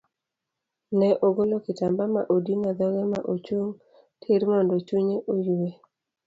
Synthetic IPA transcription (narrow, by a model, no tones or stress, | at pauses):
nɛʔoɡolokɪtambamaʔodimad̪ɔɡɛmaʔot͡ʃuŋ | tʰɪɾmɔndɔt͡ʃuɲeʔojuwe